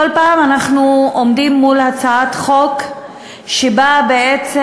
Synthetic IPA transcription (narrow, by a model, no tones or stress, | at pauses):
olpaːmanaχnuomdimːulhat͡saatχo̞k | ʃebabeet͡s